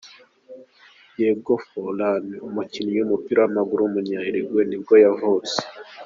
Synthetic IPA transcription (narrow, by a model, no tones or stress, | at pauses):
jebɡofolaneumucinijumupiɾawamaɡuɾumuɲaiɾeɡwenib̚ɡojavose̥